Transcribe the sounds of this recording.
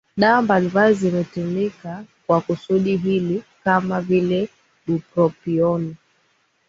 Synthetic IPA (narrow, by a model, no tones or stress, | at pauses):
ɗaɔmbalibazimɛtumikakwakusuɗiɦilikamavilɛ | ɗupɾɔpiɔni